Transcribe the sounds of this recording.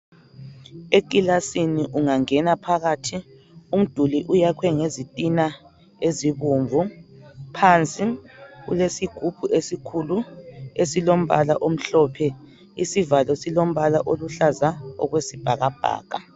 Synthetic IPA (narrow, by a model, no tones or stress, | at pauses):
ek̬ʼilasiniʔuŋaŋɛnapʰaɣatʰi | um̩d̥ʱuliʔujakʰwɛŋezitʼina | eziβuɱvʱupʰant͡sʼiɣṵlesiɡ̥ʱub̥ʱuʔesikʰuluesilom̩βa̰laʔom̩ɬɔpʰɛ | isivalɔsilom̩βalaʔoluɬazaɔ̰ɣwesib̥ʱaɣab̥ʱa̰ːka